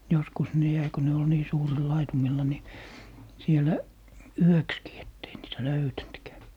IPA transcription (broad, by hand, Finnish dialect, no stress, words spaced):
joskus ne jæi ko ne ol niː suːril lɑitumilːɑ ni sielæ yøkskiː etː ei niːtæ løytæntkæː